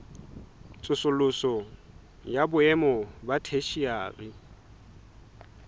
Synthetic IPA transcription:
t͡sʼʊsʊlʊsɔ | jabʊɛmɔbatʰeʃia̰ːrɪ

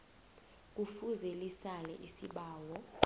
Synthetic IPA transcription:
k̬ʼufuzelisalɛ̰ʔisiɓaːwɔ

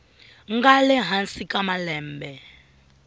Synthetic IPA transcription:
ŋɡalɛɦansikʼamalɛːmbɛ

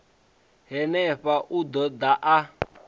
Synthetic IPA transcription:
ɦɛnɛɸaʔud̪ɔd̪aʔa

